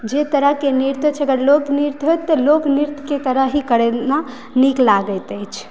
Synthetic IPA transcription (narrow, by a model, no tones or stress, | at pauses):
d͡ʒet̪əɾəɦkeniɾt̪ət͡ʃʰəɡəɾlokniɾt̪ɦojt̪ːəlokniɾt̪ket̪əɾəɦɦikəɽena | niklaɡəjt̪əjt͡ʃʰ